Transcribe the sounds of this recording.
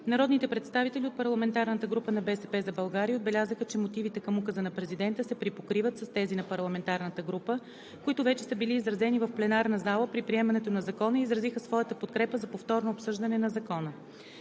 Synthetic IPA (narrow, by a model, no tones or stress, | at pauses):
nɐɾɔd̪nit̪ɛpɾɛt̪st̪avit̪ɛlʲiot̪̚pɐɾlˠɐmɛnt̪aɾnət̪əɡɾupənɐbɛsɛpɛzɐbɐlˠɡaɾiəod̪bɛlʲazəxət͡ʃɛmot̪ivit̪ɛkəmukəzənɐpɾɛzid̪ɛnt̪əsɛpɾipokɾivət̪sɐst̪ɛzinɐpɐɾlˠɐmɛnt̪aɾnət̪əɡɾupə | koit̪ʊvɛt͡ʃɛsəbiliːzɾɐzɛnivɐfplɛnaɾnəzalˠəpɾipɾiɛmɐnɛt̪onɐzɐkɔnəizɾɐzixəsvɔjət̪əpot̪kɾɛpəzɐpoft̪ɔɾnoːpsɤʒd̪ɐnɛnɐzɐkɔnə